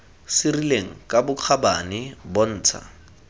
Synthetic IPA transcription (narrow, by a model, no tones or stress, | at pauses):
sɪrileŋ̩kʼabʊq͡χʰabanɪbon̩ːt͡sʰa̰